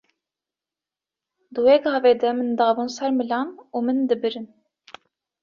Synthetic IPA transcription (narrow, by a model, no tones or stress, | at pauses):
d̪ɨweːɡɑːveːd̪ɛmɨnd̪ɑːbuːnsɛɾmɨlɑːnuːmɨnd̪ɨbɨɾɨn